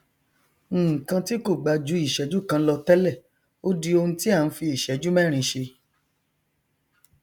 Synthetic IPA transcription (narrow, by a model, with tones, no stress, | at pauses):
kã˧ti˦ko˦˨ɡ͡ba˧d͡ʒu˨˦i˦˨ʃɛ˨˦d͡ʒu˦kã˧˦lɔ˧tɛ˦lɛ˦˨ | o˦di˧˦o˧hũ˧ti˦a˦˨n̩˦fi˧i˦˨ʃɛ˨˦d͡ʒu˦mɛ˦˨ɾ̃ĩ˧ʃe˧